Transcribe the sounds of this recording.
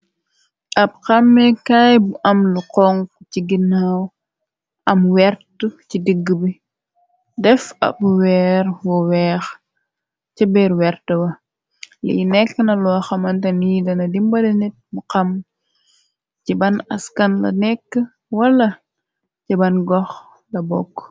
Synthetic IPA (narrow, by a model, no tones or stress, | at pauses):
ɐb̚qɐmːɛkajbuʔɐmluqɔŋkciɡinaw | ʔɐmwɛɾtəcidəɡːəbi | dɛfɐ̰buwɛːɾwɔwɛːx | cɐbɛɾwɛɾtɐwɐ | lḭjnɛkːnɐlɔxɐmɐntɐnijdɐnɐdimbɐlinit̚buqɐm | cibɐnɐskɐnlɐ̰nɛkːə | wɐlːɐ | cibɐnɡɔx | lɐbɔ̰kː